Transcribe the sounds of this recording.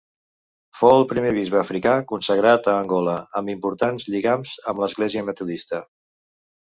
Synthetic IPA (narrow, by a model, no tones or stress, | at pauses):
foəlˠpɾimeβ̞izβ̞əːfɾikakunsəɣɾat̪əːŋɡɔləəmbimpuɾt̪anzʎiɣamzəmləzɣleziəmət̪uðist̪ə